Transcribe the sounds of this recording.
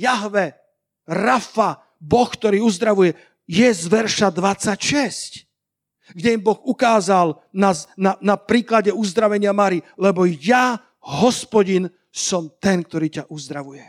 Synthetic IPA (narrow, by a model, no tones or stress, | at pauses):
jaɦʋɛ | ɾafa | bɔxkt̪ɔɾiːuzd̪ɾaʋujɛ | jɛzʋɛɾʃad̪ʋat͡sːacʃɛsc | ɡɟɛimbɔɣukaːzal | naznanapɾiːklaɟɛuzd̪ɾaʋɛɲɪamaɾilɛbɔja | ɦɔspɔɟin | sɔmt̪ɛnk̚t̪ɔɾiːcaʔuzd̪ɾaʋujɛ